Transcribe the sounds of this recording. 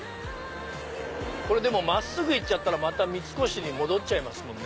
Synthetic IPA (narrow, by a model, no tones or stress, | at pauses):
ko̞ɾe̞d̪e̞mo̞masːɨɡɯit͡ɕat̪ːaɾamat̪amʲit͡sɨ̥ko̞ɕiɲ̟imo̞d̪o̞t͡ɕaimasɨmõ̞nːe